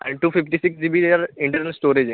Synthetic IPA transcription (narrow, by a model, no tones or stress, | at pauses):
ʔɛ̰̃ɳɖʈuːfɪfʈisɪksɖibid̪eaːɾɪ̃ɳʈəɾnəlsʈoːɾed͡ʒ̃